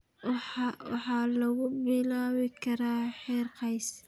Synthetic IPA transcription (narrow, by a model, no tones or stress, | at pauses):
ħɑwɑ̰ħɑlɐɣʊbɪlaːwɪkʰɐɾaːħɛːrqɑjs